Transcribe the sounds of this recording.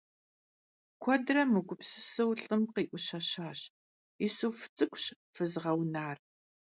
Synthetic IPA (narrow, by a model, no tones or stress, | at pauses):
kʷʰɔdrɐmɨɡʷʊpsɨsɨwɬʼɨmqiːʔʷʊɕɐɕaːɕ | isuːft͡sʼɨkʷʰʼɕ | fɨzʁɐwnaːr